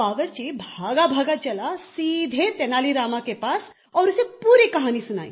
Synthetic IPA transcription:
aʋəɾt͡ɕibʱaɡabʱaɡat͡ɕɛlasid̪ʱet̪ɛnaliɾamakepas | ɔwɾəsepuːɾekəɦaniːsna̰ḭ

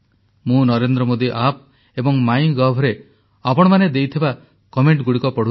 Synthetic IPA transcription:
mũnɔɾend̪ɾɔmod̪iʔap̚ | ebɔŋmajɡɔɦbʱɔɾe | apɔɽ̃ɔmaned̪ejt̪ʰiba | kɔmeɳʈɡuɽikɔpɔɽu

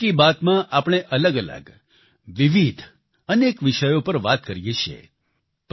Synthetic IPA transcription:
ibat̪mãʔapɳ̃eʔələɡələ̰ɡ | ʋiʋid̪ʱ | ənekʋɪʃəjopəɾʋat̪kəɾjeʃʰḛ | p

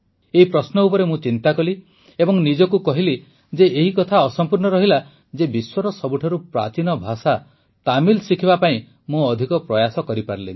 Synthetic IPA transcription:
eɦipɾɔsnɔupɔɾemũt͡ʃint̪akɔli | ebɔŋnid͡ʒɔkukɔɦili | d͡ʒeeɦikɔt̪ʰaɔsɔmpuɾnɔɾɔɦila | d͡ʒebiswɔɾɔsɔbuʈʰɔɾupɾa̰t͡ʃinɔbʱasa | t̪amilsikʰibapaĩ | mũɔd̪ʱikɔpɾɔjasɔkɔɾipaɾlḭ

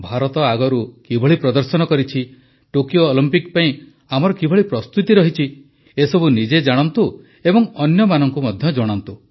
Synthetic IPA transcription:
bʱaɾɔt̪ɔaɡɔɾukibʱɔɭipɾɔd̪ɔɾsɔnɔkɔɾit͡ʃʰi | ʈokijoːlimpikpaĩ | amɔɾɔkibʱɔɭipɾɔst̪ut̪iɾɔɦit͡ʃʰi | esɔbunid͡ʒed͡ʒaɽ̃ɔnt̪u | ebɔŋɔnjɔmanɔŋkumɔd̪ʱjɔd͡ʒɔɽ̃ɔnt̪u

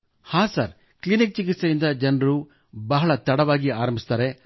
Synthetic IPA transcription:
haːsaːɾ | klinik̚t͡ʃik̬it̪sɐjind̪ɐd͡ʒɐnɐɾu | bɐɦɐɭɐt̪ɐɽɐʋaːɡiaːɾɐmbʱist̪aːɾe

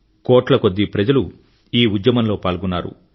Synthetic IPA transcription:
kɔːʈlɐkod̪ːipɾɐd͡ʒɐlu | iːud̪jɐmɐmlo̞ːpaːlɡunːaːɾṵ

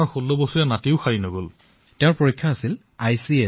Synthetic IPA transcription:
ɔɹxolːɔbosuɹɛnatiʊxaɹinoɡol | teʊ̃ɹpoɹikʰːaːsil | ajsie

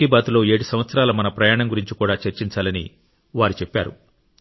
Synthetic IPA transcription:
ibaːt̪ulo̞ːe̞ːɽusɐmʋɐt̪sɐɾaːlɐmɐnɐpɾɐjaːɳɐŋɡuɾiɲt͡ʃikuːɽaːt͡ʃeɾt͡ʃiɲt͡ʃaːlɐnḭ | ʋaːɾit͡ʃepːa̰ːɾṵ

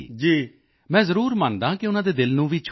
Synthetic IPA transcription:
d͡ʒiː | mɛ̃ːzəɾuːɾmaːnd̪ãːkɪʊnãːd̪eːd̪ɪlnũːʋiːt͡ʃʰ

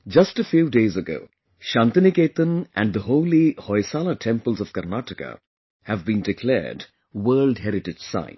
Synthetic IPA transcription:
d͡ʒʌsʈəfjuːɖeːzəɡo̰ʊː | ʃãːnt̪ənikeːt̪ə̃nʔæ̰̃nɖd̪əhoʊlihɔɪsaːləʈʰɛ̃mpəlzɔv̥kəɾnaʈəkə̰ | hævbĩnɖɪkʰlɛ̰ːɾɖ | wəːlɖɦɛɾɪʈɪd͡ʒsã̰ɪ̃n

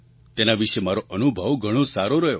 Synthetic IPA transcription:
t̪enaʋiʃemaɾoʔənubʱəʋɡʱəɽ̃õsaɾoɾəɦjo̰

